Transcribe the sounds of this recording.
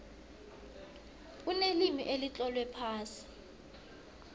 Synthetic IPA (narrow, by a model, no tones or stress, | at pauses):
unelimiʔelit͡ɬʼɔlwɛpʰaːsi̥